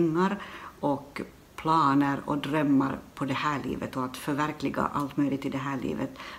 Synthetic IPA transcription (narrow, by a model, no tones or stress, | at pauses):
ŋːɑɾʔɔk | pʰlɑːnəɾɔ̰d̪ɾœmːɑɾpʰɔd̪ɛhæːɭḭːʋət̪ɔat̪fœɾʋæɾklɪɡɑ̰ʔalt̪mœʏlɪt̪ːɪld̪ɛɦæːɭḭːʋət̪